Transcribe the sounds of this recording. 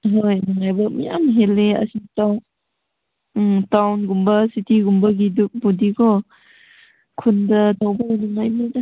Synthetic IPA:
ɦojnuŋajbɐmḭja̰mɦeleɐ̰sitaw | tawnɡumbɐsitiɡumbɐɡiduk̚budikɔ | kʰundɐtawbaunuŋajnidɐ

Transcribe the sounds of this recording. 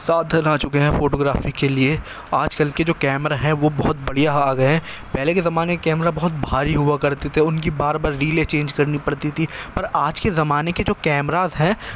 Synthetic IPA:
saːd̪ʱɐnaːt͡ʃʊkeɦɛ̃foːʈoːɡɾaːfikelie | aːd͡ʒkɐlked͡ʒoːkɛːmɾaɦɛ̃ʋobɐɦʊt̪̚bɐɽ̤ijaaːɡɐeɦɛ̃pɛɦlekezɐmaːnekekɛːmɾabɔɦʊt̪̚bʱaːɾiɦʊakɐɾt̪et̪ʰeʊnkibaːɾbaːɾːiːlet͡ʃẽːnd͡ʒkɐɾnipɐɽt̪it̪ʰipɐɾaːd͡ʒkezɐmaːneked͡ʒoːkɛːmɾaːzɦɛ̃ː

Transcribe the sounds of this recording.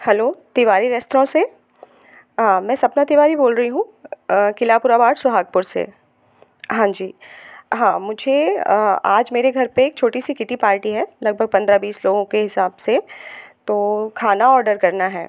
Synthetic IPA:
hɛloːt̪ɪʋaːɾiɾɛst̪ɾõse | ɦãːmɛ̃ːsɐbnat̪iʋaːɾiboːlɾɐɦiɦũkɪlaːpʊɾabaːɽsʊɦaːɡ̚pʊɾsḛ | ɦãːd͡ʒiːɦãːmʊd͡ʒʱe | aːd͡ʒmeːɾeɡʱɐɾpeeːk̚t͡ʃʰoːʈisikɪʈipaːɾʈiɦɛːlɐɡ̚bʱəɡ̚pɐ̃nd̪ɾabiːsloːɡõkeɦɪsaːbset̪oːkʰaːnaɔːɾɖəɾkɐɾnaɦɛ̰ː

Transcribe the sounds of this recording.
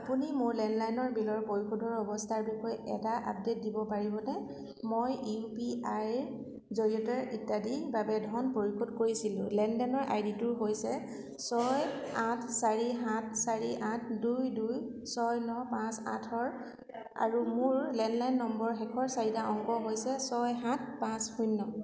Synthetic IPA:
apunimʊɹlɛnlajnɔɹbilɔɹpoɹixʰodʱɔɹɔbɔstʰaɹbixɔjɛ̰taʔa̰p̚det̚dibɔpaɹibɔnɛ | mojipiaj | zoɹiɔtɛɹitːadibabɛdʱɔnpoɹixʰodkoɹisilʊ̃lɛndɛnɔɹʔa̰jditʊɹɦojsɛ | sɔjatʰsaɹiɦãt̚ʰsaɹiʔãtʰdujduj | sɔjnɔpãsa̰tʰɔɹ | a̰ɹumʊɹlɛnlajnːɔmbɔɹxɛkʰɔɹsaɹitaʔɔŋɡɔɦojsɛsɔjɦãt̚ʰpãshujnːɔ

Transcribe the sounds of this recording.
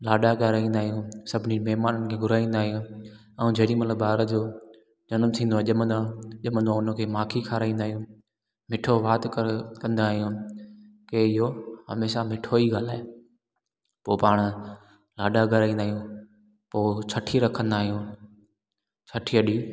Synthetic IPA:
laːɗaɡəɾaːĩːnd̪aːɦijũːsɐbʱɪnimɛɦmaːnənɪ̆kʰeːɡʊɾaːĩːnd̪aːɦijũ | ɛ̃ũd͡ʑɐɦɗĩmɐt̪ləbaːɾəd͡ʑoː | d͡ʑɐnmt̪ʰĩːnd̪oaʄɐmə̃nd̪aːʄɐmə̃nd̪oaːʊnəkʰeːmaːkʰikʰaːɾaːĩːnd̪aːɦijũ | mɪʈʰoʋaːt̪kkɐ̃nd̪aːɦijũ | keɪɦoɦɐ̰meːʃamɪʈʰoiɡaːlaːe | poːpaːɽ̃ | laːɗaɡʱəɾaːĩːnd̪aːɦjũː | poːt͡ɕʰɐʈʰiɾɐkʰə̃nd̪aːɦijũː | t͡ɕʰəʈʰiɐɗiː

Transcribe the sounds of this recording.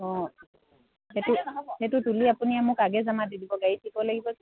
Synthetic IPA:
ɔ | hɛtuhɛtutuliapuniamʊkaɡɛzamadidibɔɡajitʰikɔlaɡibɔ

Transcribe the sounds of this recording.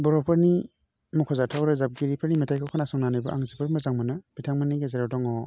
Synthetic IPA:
bɔɾɔpʰaɾni | mɔkʰɔzatʰawɾɯzap̚ɡiɾipʰɯɾnimetʰajkʰawkʰɔnasɔŋnanɯjbɯʔaŋzipʰɯɾmɯzaŋmɯnɯb̥itʰaŋmaniɡezaɾawdɔŋɔ

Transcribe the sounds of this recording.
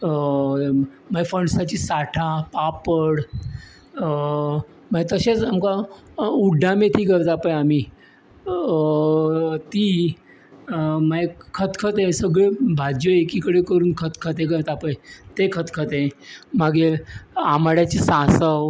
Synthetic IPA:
maefəɳsat͡ɕiːsaʈʰapapəɽ | maɡet̪əɕet͡samkauɖʱːamet̪iːkəɾt̪apəjami | t̪iː | maekʰət̪kʰət̪ẽsəɡɭebʱad͡ʑjəekikəɽekəɾuːnkʰət̪kʰət̪ẽk̬əɾt̪apəjt̪ekʰət̪kʰət̪ẽmaɡeaməɽjat͡ɕisãsəw

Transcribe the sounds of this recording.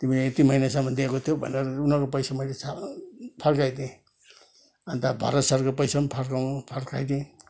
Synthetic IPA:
t̪imileet̪imʌinasamʌnd̪iekot̪ʰjobʱʌ̰neɾʌunʌkopʌjsamʌjlesapʰʌrkajd̪ĩ | ant̪abʱa̰ɾʌt̪sʌɾkopʌjsampʰaɾkapʰʌɾkajd̪ĩ

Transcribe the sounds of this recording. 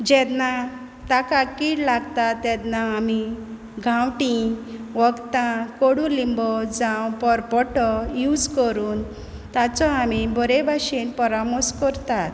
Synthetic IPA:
d͡ʑɛd̪na | t̪akakiːɽlaɡt̪at̪ːɛd̪naːmi | ɡʱãwʈĩʋɔɡt̪ãkoɽũlimbɔd͡zãwpɔɾpɔʈɔjud͡zkəɾuːn | t̪at͡sɔamibɔɾɛbʱaɕinpɔɾamɔskɔɾt̪at̪

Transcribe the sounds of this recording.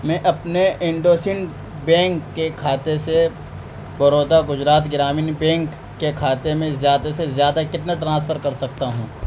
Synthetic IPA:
mɛ̃ːʔɐpneɪ̃ɳɖoːsɪn | bɛ̃ːŋkːekʰaːt̪ese | bɐɾoːd̪aɡʊd͡ʒɾaːt̪ɡɪɾaːminbɛ̃ːŋkː | ekʰaːt̪emẽzjaːd̪asezjaːd̪akɪt̪naʈɾãːs̬fʰəɾkɐɾsɐk̚t̪aɦũː

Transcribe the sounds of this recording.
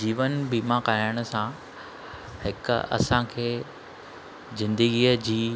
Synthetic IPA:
d͡ʑiːʋənbiːmakaːaəɽ̃ʊ̆sã | hɪkɐ̰sãkʰeː | zɪ̃nd̪əɡiːəd͡ʑiː

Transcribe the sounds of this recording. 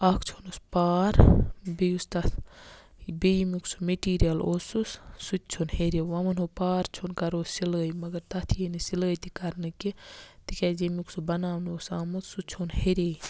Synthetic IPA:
akʰt͡ʃʰonuspaːɾbejust̪ɐ | bejimiksu̥meʈiːɾijɐlosussut̪̚t͡ʃʰonheɾeʋɐmɐnɦopaːɾt͡ʃʰonkɐɾoːzsilɡɐjmɐɡɐɾt̪ɐt̪ʰijenisilɡɐjt̪ikɐɾnɨkit̪ikʲad͡ʒemuksubɐnaːwnosaːmɐt̪sut͡ʃʰonheɾe

